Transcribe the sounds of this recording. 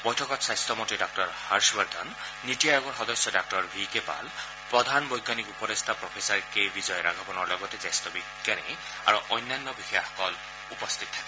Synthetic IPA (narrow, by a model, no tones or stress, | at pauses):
bɔjtʰɔkɔtsajst̪ɔmɔntidɔk̚tɔɹhaɹsbaɹd̪ʱɔnː | itijajɔɡɔɹxɔd̪ɔsjɔdak̚tɔɹbʱikepa̰l | pɹɔd̪ʱanbɔjɡːanikupɔdest̪ʰapɹɔpʰesaɹkejbizɔjɔɾa̰ɡʱapɔnɔɹlɔɡɔtezajstɔbiɡːanḭ | a̰ɹuʔɔjnːajnːɔbixijaxɔ̥kɔl | upɔst̪ʰit̪̚tʰabɛ